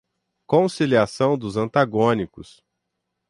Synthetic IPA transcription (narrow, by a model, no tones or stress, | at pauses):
kõsiliasɐ̃w̃d̪ʊzɐ̃nt̪aɡõnikʊs